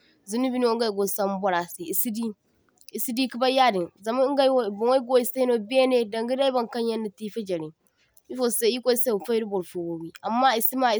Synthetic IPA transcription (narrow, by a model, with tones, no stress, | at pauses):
zu˨˦ni˦bi˦nu˦o˦ŋ̩˦a˦i˨ɡo˨sa˦m˦bɔ˦ɾa˨sɪ˨i˨si˦di˦ | i˨si˦di˦ki˦ba˦ja˦˨dɪ̃˨nza˨ma˦ŋ̩˦ɡa˦wbʊ˨˦o˦ɡo˦i˨˦sa˦no˦˨bi˦ɛ˦ne˦˨dã˨ŋɡi˦da˦i˦ba˨ŋ˨kã˦ɲɛ˦nːɪ˨ti˦fa˦d͡ʒɛ˨ɾɪ̃˨ | i˦fo˨se˦i˦ko˦i˦sa˦˨fa˦ɾɪ˦bʊ˨ɾfo˦wo˨bi˦a˨mːa˦i˨si˦ma˦˨